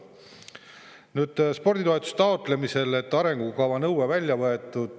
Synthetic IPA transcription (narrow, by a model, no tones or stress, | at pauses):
nyːd̪̥spo̞rd̪ʲit̪oe̞t̪u̥st̪ɑot̪ːˑle̞mise̞le̞t̪ːˑɑɾe̞ŋɡ̥ukɑvɑnɤwwevælʲjɑvɤe̞t̪ːˑud̪̥